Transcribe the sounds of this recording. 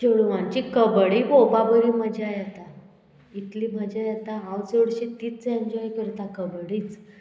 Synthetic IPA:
t͡ɕeɽʋãɲt͡ɕikəbɽiːbobabəɾiməd͡ʑʱeajat̪a | it̪liːbʱəd͡ʑeɛt̪aɦãwt͡seɽɕit̪iːt͡sẽɲd͡ʑɔjkəɾt̪akəbɽiːt͡s

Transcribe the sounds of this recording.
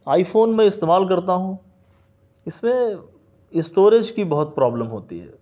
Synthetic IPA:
aːifʰoːnmẽɪst̪eːmaːlk̬ɐɾt̪aɦũ | ɪsmẽ | ɪsʈoːɾed͡ʒkibɐɦʊt̪̚pɾaːbləmɦoːt̪ḭɦɛ̰ː

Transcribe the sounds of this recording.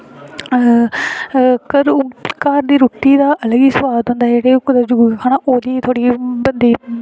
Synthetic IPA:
kəɾkaːɾd̪iːɾuːt̪iːd̪aːʔələɡiːsəwaːd̪ɦʊ̃nd̪aːd͡ʒeːɽeːkd̪ad͡ʒʊkaːnãːʔoːd̪iːt̪ʰoːɽiːbənd̪iː

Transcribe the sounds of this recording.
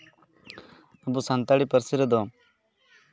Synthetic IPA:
ɐbusant̪aɽipəɾsiɾəd̪oː

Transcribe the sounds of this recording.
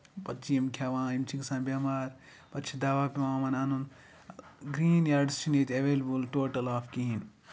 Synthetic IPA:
pɐtːt͡ʃijɐmkʰaːʋãːimt͡ʃʰiksãːbʲjɐmaːɾ | pɐtːt͡ʃʰid̪aːʋaːpiʋãːmaːnaːnun | ɡɾiːnjaːɾɖst͡ʃʰineːt̪ʲeʋeːlɐbulʈoːʈɐlaːfkiɦin

